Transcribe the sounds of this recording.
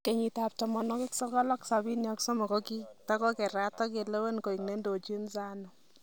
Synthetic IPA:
ke˨ɲi˨tap̚tɔ˨mɔ˨nɔ˦kɪ˦ksɔ˦kɔ˦lɔ˦ksa˨bi˦njɔ˨ksɔ˦mɔ˨kɔ˦ki˦ta˦kɔ˦kɛ˨ɾa˦tɔ˦ke˨le˦we˦nko˨i˨ŋne˦ndo˨t͡ʃi˦nsa˦nɔ˨

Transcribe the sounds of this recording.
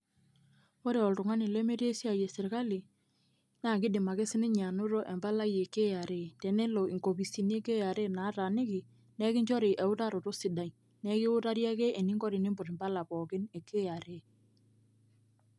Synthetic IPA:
o˦ɾe˨ɔ˨ltʊ˨ŋa˦nɪ˨le˦me˦ɾe˦si˦a˨je˨sɪ˨ɾka˦li˨ | naː˦˨k̬ɪ˦dɪ˨ma˨ke˦sɪ˦nɪ˦ɲa˨nʊ˦ɾo˦ʔɛ˨mba˦la˦je˨ke˦ja˨ɾe˦˨tɛ˨ne˦lo˨ʔi˨ŋko˨bi˨si˨n˦e˦ke˦ja˨ɾe˦˨na˨˦ta˨nɪ˦kɪ˨ | nɛ˦kɪ˦ɲd͡ʒɔ˦ɾɪ˨ʔɛ˨ʊ˦ta˦ɾo˨to˦sɪ˨da˨i˨ | nɛ˦kɪ˦ʊ˦ta˦ɾja˦kɛ˦ʔe˨ni˦ŋɡɔ˦ɾɪ˨ni˦mbʊ˨ɾɪ˨mba˦la˨pɔ˨kɪ˦ne˨kʰe˦ja˨ɾe˦˨

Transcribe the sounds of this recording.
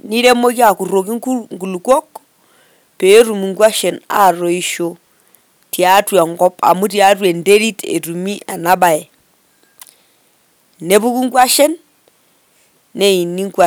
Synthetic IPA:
ni˦ɾe˦mo˦ki˦a˨ku˨ro˨k̬i˦u˦ŋɡu˨lu˨kwɔ˦k | pe˨˦ɾu˨mi˨ŋɡwa˦ʃɛ˨na̰˨ɾo˨i˦ʃo˨ | tja˦twa˨ŋɡɔ˦pʰa̰˨mu˦t̬ja˦t̬we˨nde˦ɾi˦tʰḛ˨tu˨mi˦ʔa˨na˦ba˨ɛ˨ | ne˦bu˦ku˦ŋɡwa˦ʃɛ˦n | e˦i˨ni˦ŋkwa˨

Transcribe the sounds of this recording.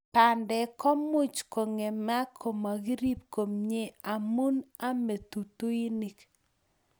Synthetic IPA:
pa˨ndɛ˨kɔ˦mʊ˦t͡ʃko˨ŋe˨ma˦kʰo˨ma˨ɡi˦ɾi˦p̚ko˨mɲe˦a˨mu˦na˦me˨t̪u˨t̪u˦i˦ni˦k

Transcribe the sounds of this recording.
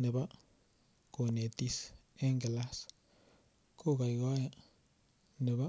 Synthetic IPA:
ne˨ba˦ | ko˨ne˨t̪i˧se˦ŋɡe˨la˦s | ko˦ɡa˨jɡa˦ja˦ | ne˨ba˦

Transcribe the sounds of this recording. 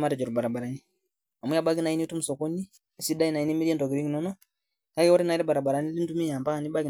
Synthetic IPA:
ma˦ɾɛ˨d͡ʒɔ˨ɾu˨ba˨ɾa˨ba˨ɾa˨ni | a˨mwɛ˦ja˦ɓa˦ɡi˦na˨i˦ni˦tu˦mu˨sɔ˨ko˦ni˦˨ | si˦da˦i˦na˨ini˦mi˦ɾiɛ˦ndɔ˨ɡi˨ɾi˦ŋi˨nɔ˦nɔ˦ | ka˦jɛ˦ɔ˦ɾi˦na˨iɾɛ˦ba˨ɾa˨ba˨ɾa˨ni˦li˦n˦du˦mi˦ja˨mba˦ka˨ni˦ɓa˦ɡi˨

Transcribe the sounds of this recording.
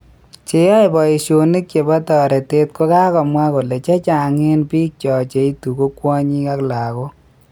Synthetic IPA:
t͡ʃɪ˨jɔ˦e˨bɔ˨i˨ʃo˨ni˦kt͡ʃe˨bɔ˦tɔ˨ɾɛ˨te˦t̚ko˦ka˦kɔ˨mwa˦ko˨le˨t͡ʃɛ˦t͡ʃa˨ŋɪ˦npi˦k̚t͡ʃɔ˨t͡ʃe˨i˦tu˨ko˦kwɔ˦ɲi˦ka˦kla˨ko˦

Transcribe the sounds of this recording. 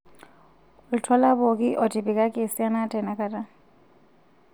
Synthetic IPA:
ʊli˨tʰɔ˦la˦bo˨kʼɪ˦ʔɔ˨tʼi˨bi˨kʼa˦kʼɪ˨sɪ˦a˦na˦tʼɛ˨na˨kʼa˦tʼa˦

